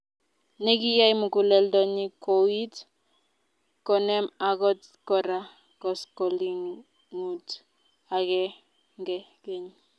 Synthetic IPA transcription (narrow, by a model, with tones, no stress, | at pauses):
ne˦ɡi˦ja˦jmu˨ku˨lɛ˦ldɔ˦ɲi˦kowi˦t | kɔ˨nɛ˦ma˨ɡɔ˦t | kɔ˨ɾa | kɔ˨skɔ˨li˦n | ŋu˨t | a˨ɡɛ˦ | ŋɡɛ˦ke˨ɲ